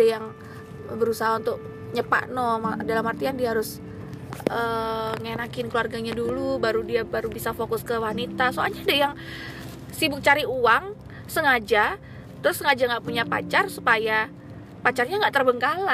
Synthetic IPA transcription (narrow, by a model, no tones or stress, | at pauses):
ajaŋ | bəɾusaɦaunt̪ʊk̚ | ɲəpa̰ʔnɔmadalamhart̪ijaŋdiaɦaɾʊs | əŋenakɪnkluarɡaɲadulubaɾudiabaɾubisafokʊskəwanit̪asoalɲaːdajaŋ | sibʊk̚t͡ʃaɾiuaŋ | səŋad͡ʒa | t̪əɾʊsːəŋad͡ʒaŋɡaʔpuɲapa̰t͡ʃarsupaja | pat͡ʃarɲaŋɡaʔt̪ərbəŋkala